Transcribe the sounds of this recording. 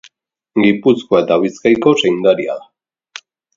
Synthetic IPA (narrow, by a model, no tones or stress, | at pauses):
ɡipuskoet̪aβiskajko̞sejnd̪aɾia̰